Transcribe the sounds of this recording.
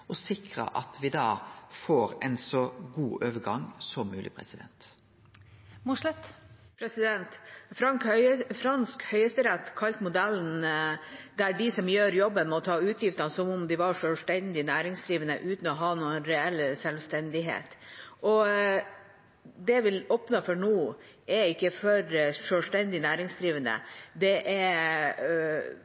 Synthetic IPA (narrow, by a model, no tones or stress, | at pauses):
ɔsɪkɾə̰ʔɑ̰t̪ʰʋɪd̪ɑːfoːɾɛnsɔɡuːʔøːʋəɡɑŋːsɔmːʉ̰ːlɪ̰pʰɾɛ̰sɪd̪ɛ̰nt̪ | mʊʂlɛt̪ | pʰɾɛsɪd̪ɛnt̪fɾɑŋkfɾɑnskhœʏəst̪əɾɛt̪ːkʰɑlt̪mʊd̪ɛlːn | d̪æɖɪsɔmjøːɾjɔbːənmɔt̪ʰɑːʉːt̪ʰjɪft̪ɑnsɔmʊmd̪ɪʋɑɾʂøːlst̪ɛnd̪ɪnæːɾɪŋsd̪ɾiːʋənə̰ʔʉːt̪n̩ɔɦɑːnuːənɾɛɛlːsɛlʋst̪ɛnd̪ɪɦḛːt̪ɔ | d̪ɛʋɪloːpnɑfɔɳuː | ɛɪkːəfɔɾʂøːlst̪ɛnd̪ɪnæːɾɪŋsd̪ɾiːʋənə̰d̪ɛʔɛɾ